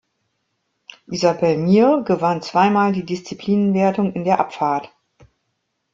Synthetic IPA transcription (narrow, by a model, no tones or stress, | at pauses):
ʔizabɛlmiːɡəvant͡sv̥aɪmaːldiːdɪst͡sipʰl̥iːnənveːɐtʊŋɪndeːɐʔapfaɐt